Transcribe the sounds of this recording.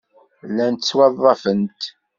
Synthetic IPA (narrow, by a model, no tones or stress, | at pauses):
lænt̪ət͡sːwɑðˤːɑfənt̪